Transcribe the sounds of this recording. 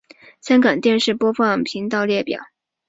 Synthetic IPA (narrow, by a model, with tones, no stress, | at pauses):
sa˥nkɑ˨˩ŋt̪jɛ˥˧nʂɻ̩˥˩pwɔ˥fɑ˥˩ŋpʰi˧˥ŋt̪ɑ˥˧ʊljɛ˥˩pjɑ̰˨˩˦ʊ